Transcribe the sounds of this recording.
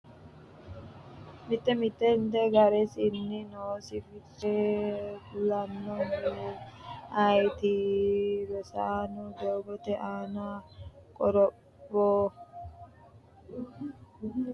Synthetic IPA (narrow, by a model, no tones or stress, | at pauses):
mɪt̪ːɛmɪt̪ːɛnt̪ɛɡɐɾɛsɪnːɪnoːsɪfɪtːɛ | lɐnːɔnu | ɐjt̪ɪ | bɛsaːnʊd̪oːɡɔt̪ɛʔaːnakʼɔɾɔbː | ɔ